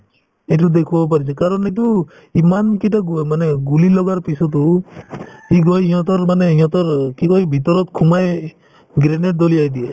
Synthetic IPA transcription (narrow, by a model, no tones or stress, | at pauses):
et̬ud̪ekʰubɔp̬aɾisakaɾɔnɛt̬u | imankitamaneɡulilɔɡaɾpisɔt̪̬u | hiɡɔjijɔt̪ɔɾmaneĩjɔt̪ɔɾkikɔjbʱit̪ɔɾɔt̪kʰumaj | ɡɾened̪ɔliajd̪ie